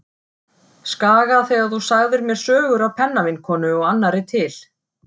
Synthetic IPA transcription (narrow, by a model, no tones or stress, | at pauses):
skaːɣaθɛɣaθusaɣðɪɾmjɛɾ̥sœːɣʏɾawpʰɛnːavɪnkʰɔːnʏɔɣanːaɾɪt̪ʰɪl̥